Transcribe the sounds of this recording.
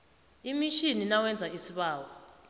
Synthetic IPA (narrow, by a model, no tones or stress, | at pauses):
imiʃininawɛnd͡zʱaisiɓaːwɔ